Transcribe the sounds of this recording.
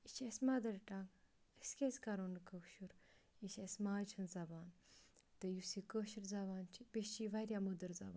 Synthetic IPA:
it͡ʃʰɐsʲmɐd̪ɐɾʈaŋɡəsʲkʲesʲkɐɾoːnkəʃuɾiʃʲesʲmaːt͡ʃʰɐnzɐbaːnt̪ɨjusikəʃiɾzɐbaːnt͡ʃʰipeiʋɐɾjamud̪əɾzɐ̰ba̰ːn

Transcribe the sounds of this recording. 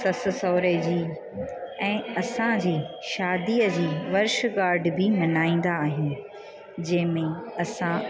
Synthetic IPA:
sɐs̆sɔːɾed͡ʑiː | ɛ̃ːɐsãd͡ʑiːʃaːd̪iːəd͡ʑiːʋɐɾʃɡaːɾɖbɪmɐnaːĩːn̆d̪aːɦɪnɪ̆ | d͡ʑɐ̃ɦɪ̃mẽɐsã

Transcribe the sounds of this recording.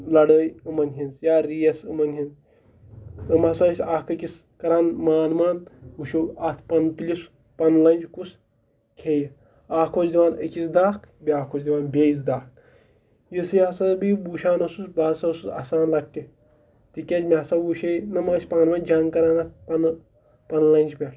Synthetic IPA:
lɐɽəːjɨmɐnɦind͡zjaːɾijɐsɨmɐnɦin | ɨmasasʲaːkɐkʲis | kɐɾaːnmaːnmaːnuʃoat̪ʰpɐnt̪lʲis | pɐnlɐnʲd͡ʒkus | kʲʰej | aːkʰosd̪ʲiʋaːnəkisd̪aːkbʲiaːkʰoːsd̪ʲiʋaːnbʲeːis̬d̪aːk | jisɨjɐsɐnbibuːʃaːnɐsusbaːsɐɐsut͡sɐ̰saːnlɐkkʲːi | t̪ikʲesmʲesɐbuʃejnɨmɐsʲpaːnmaːnd͡ʒaːŋɡkɐɾaːnɐt̪̚ʰpɐn | pɐnlɐnʲd͡ʒpʲel

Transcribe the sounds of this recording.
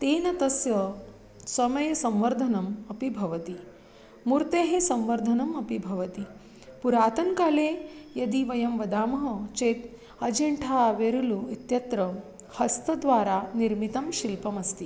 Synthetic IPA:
t̪eːnɐt̪ɐsjɐ | sɐmɐjɐsɐmʋɐɾd̪ʱɐnɐmɐpibʱɐʋɐt̪i | muɾt̪eːɦesɐmʋɐɾd̪ʱɐnɐmɐpibʱɐʋɐt̪i | puɾaːt̪ɐŋkaːleːjɐd̪iʋɐjɐmʋɐd̪aːmɐɦɐt͡ʃeːt̪ | ɐd͡ʒeɳʈʰaːʋeɾuluit̪jɐt̪ɾɐ | hɐst̪ɐd̪ʋaːɾaːniɾmit̪ɐmʃilpɐmɐst̪i

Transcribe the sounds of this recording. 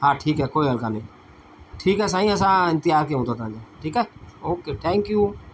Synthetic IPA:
ɦãːʈʰiːkɦɛːkoːiːɦəlkaːnəĩː | ʈʰiːkɦɛːs̬aːĩəs̬ãːɪ̃nt̪ɪjaːɾk̬eɦõt̪at̪ãːd͡ʒaʈʰiːkɛːoːkeːʈʰɛ̃ːŋkjuː

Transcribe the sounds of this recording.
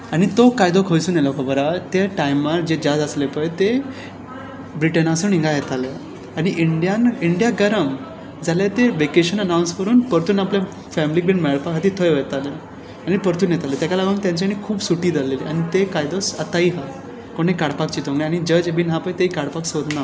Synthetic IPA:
aɽ̃it̪okajd̪okʰəjsuːnelɔkəbəɾat̪eʈajmaɾd͡ʑed͡ʑad͡zəslepəjt̪e | bɾiʈənasunĩŋɡajet̪ale | aɽ̃iʔiɳɖjaniɳɖijaɡəɾəm | d͡zalat̪eʋekeɕənənaw̃nskəɾuːnpəɾt̪uːnaplja | fɛmlik̚biɳmɛɭɭpakʰat̪iːt̪ʰəjʋət̪ale | aɽ̃ipəɾt̪uːnjet̪alet̪jat͡ɕalaɡuːnt̪jãɲt͡ɕaɽ̃ikʰuːbsuʈiːd͡z̪aleliːaɽ̃it̪ekajd̪osət̪aiːɦa | koɽ̃ekaɽpakt͡ɕiːt̪õŋɡniaɽ̃id͡ʑəd͡ʑebiːnɦapəjt̪eikaɽpaksod̪na

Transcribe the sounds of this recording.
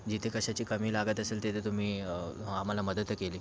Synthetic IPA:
d͡ʑit̪ʰekəɕat͡ɕiːkəmiːlaɡət̪əselt̪et̪ʰet̪um̤iːam̤alaməd̪ət̪keliː

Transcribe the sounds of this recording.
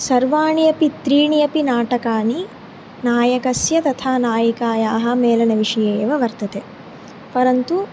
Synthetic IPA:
sɐɾʋaːɳijɐpit̪ɾiːɳijɐpinaːʈɐkaːni | naːjɐkɐsjɐt̪ɐt̪ʰaːnaːjikaːjaːɦɐ̆meːlɐnɐʋiʂɐjeːʋɐʋɐɾt̪ɐt̪eː | pɐɾɐnt̪u

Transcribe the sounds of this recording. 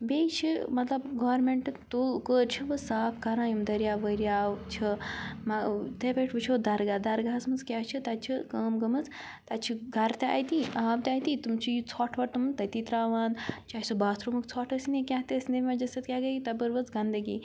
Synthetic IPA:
bejt͡ʃʰimɐt̪lɐbɡɔːɾmeɳʈt̪ukəːɾt͡ʃʰɐʋɐsaːpkaɾaːjumd̪ɐɾjaːʋəɾjaːʋt͡ʃʰɐmɐt̪epʲeʈʰʋɨt͡ʃʰuʋd̪ɐɾɡad̪ɐɾɡaːsmɐnzkʲaːt͡ʃʰit̪at͡ʃʰikəːmɡɐmɐt͡s | t̪at͡ʃʰiɡɐɾt̪ea̰ːjt̪iʔaːʋt̪ʲaːjt̪it̪umt͡ʃʰijut͡sʰɔːʈʰʋɐʈt̪umɐnt̪ɐt̪it̪ɾaːʋaːnd̪t͡ʃʰaːjsubaːt̪ʰɾumɐkt͡sʰɔːʈʰɐsinekʲaɦt̪eɐsʲnemad͡ʒɐsɐt̪kʲaːɡɐjit̪ɐbəɾʋɐt͡sɡɐnd̪ɐɡḭː

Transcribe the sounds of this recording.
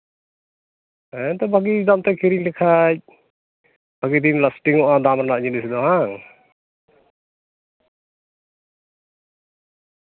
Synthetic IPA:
ɛɛt̪ɔbaɡid̪amt̪ɛkʰiɾiɲlɛkʰac̚ | b̥aɡid̪iɲləsʈiŋɔʔad̪amɾanaʔɲinisd̪ɔɦaŋ

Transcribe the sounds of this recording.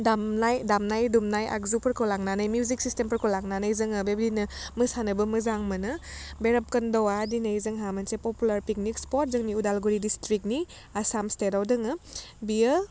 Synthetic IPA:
damnajdamnajdumnajʔa̰k̚zupʰɐɾkʰɔwlaŋnanajmjuziksistempʰɐɾkʰolaŋnanajzɯŋɯbebdinɯmɯsanɐbɐmɯzaŋmɐnɯbeɾɐp̚kɐndɔwadinajzɯŋɦamɐnsepɔpulaɾpik̚nikspɔt̚zɯŋniudalɡuɾidistɾik̚ni | asamstedawdɯŋɯbiə

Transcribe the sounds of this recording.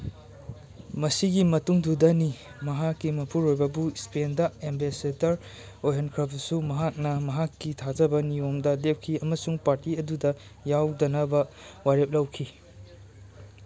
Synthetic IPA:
mɐsiɡimɐtuŋdudɐni | mɐɦakːimɐpʰuɾojbɐbuispendɐembesedɐɾ | ojɦenkʰɾɐpsumɐɦak̚nɐmɐɦakːitʰazɐbɐnijomdɐdep̚kʰiɐmɐsuŋpaɾtiɐdudɐ | jawdɐnɐbɐ | wajɾep̚lɐwkʰi

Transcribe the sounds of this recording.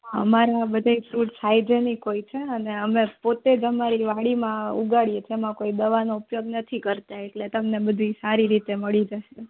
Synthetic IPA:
ə̰maɾabəd̪ʱaifɾuʈsajd͡ʒenikoit͡ʃʰeəneəmẽpot̪ed͡ʒəmaɾiʋaɽimãṵɡaɭied͡ʒemãkoid̪əʋanoupjoɡnət̪ʰikəɾt̪aeʈlet̪əmnebəd̪ʱisaɾiɾit̪eməɭid͡ʒəʃe

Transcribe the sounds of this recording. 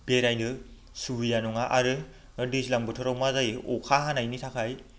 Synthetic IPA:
beɾajnɯ | sujanɔŋaʔaɾɯ | dislaŋbɯtʰɔɾawmazajɔkʰaɦanajnitʰakʰaj

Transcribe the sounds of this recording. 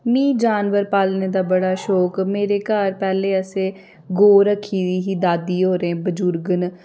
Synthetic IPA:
mĩːd͡ʒaːnʋəɾpaːlneːd̪aːbəɽaːʃoːkmeːɾeːkaːɾpɛːleːəseː | ɡoːɾəkʰːiːd̪iːɦiːd̪aːd̪iːɦoːɾẽːbəd͡ʒʊɾɡən

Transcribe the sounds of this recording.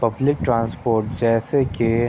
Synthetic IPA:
pɐblɪk̚ʈɾãːnspoːɾʈd͡ʒɛːseke

